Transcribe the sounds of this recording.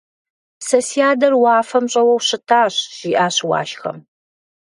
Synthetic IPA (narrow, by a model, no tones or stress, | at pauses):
sɐsiaːdɐrwɑːfɐmɕʼɐwɐwɕɪtʰaːɕʒ̥iːʔaːɕwɑ̰ːʃxɐ̰m